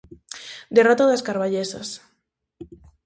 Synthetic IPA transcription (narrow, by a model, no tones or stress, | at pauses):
d̪erot̪aðaskaɾβaʎesa̰s